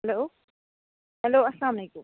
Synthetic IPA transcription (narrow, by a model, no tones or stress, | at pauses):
hɦɛloː | ɦɛloːɐslaːmleːkʊm